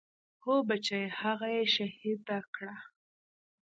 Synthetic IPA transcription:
hobat͡ʃajehaɣajeʃahid̪ːakɽa

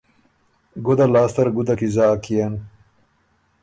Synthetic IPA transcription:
ɡud̪alaːst̪ɐɾɡud̪ɐkizaːkijan

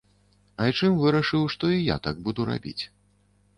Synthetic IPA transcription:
ɐjt͡ʂɨmvɨɾɐʂɨwʂt̪ɔija̰t̪aɡ̚bud̪uɾa̰bʲḭt͡sʲ

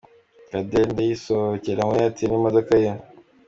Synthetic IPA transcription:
kadendejisoceɾaŋwojatinimadokaja

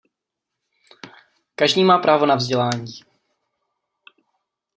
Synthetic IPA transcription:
kaʒdiːmaːpɾʔaːvonavzɟɛlaːɲiː

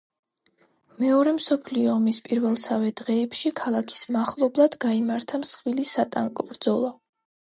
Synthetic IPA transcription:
mɛɔɾɛmsɔpʰliɔːmispʼiɾvɛlˠsavɛd̪̥ʁɛːpʃikʰalˠakʰi̥smaχlˠɔblˠad̪ɡaimaɾt̪ʰamsχwilisat̪ʼa̰ŋkʼɔbɾd̪zɔlˠa

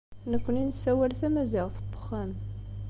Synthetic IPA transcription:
nəkʷːəninsːæwælθæmæziʁθəbə̥χːæn

